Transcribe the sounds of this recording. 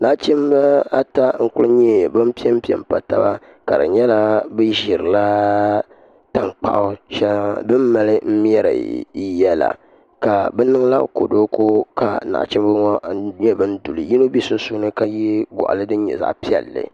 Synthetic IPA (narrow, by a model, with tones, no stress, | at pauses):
na˨ʔt͡ʃɛ˦m˦bɨ˦a˦ta˦ŋ̩˦kʊ˦lɲɛ˦˨bɨ˦m˦pi˦ɛ˦m˦pi˦ɛ̰˨m˨pa˨ta˦ba˦ | ka˨ɾɨ̰˨ɲɛ˦la˦bɨ˦ʒi˨ɾɨ˨la˦ | ta˦˨ŋk͡pa̰˨ʔʊ˦ʃɛ˦lbɨ˦mːa˨lɨ˦m̩˦m˦ɛ˦ɾɨ̰˨˦jɛ˦la̰˨ | ka˨bɛ˦nɨ˦ŋ˦la̰˦ko̰˨do˦ko˦ka˨na̰˨ʔt͡ʃɛ˦mbɨ˦ŋɔ˦ɲɛ˦bɨ˦n̩˦du˨lɨ˨ji˦no˦bi˦sʊ˦su˦nɨ˦ka˦ji˦ɡɔ̰˨ʔa̰˨lɨ˦dɨ˦ɲɛ̰˨za̰˦ʔpi˦ɛ̰˨lːɨ̰˨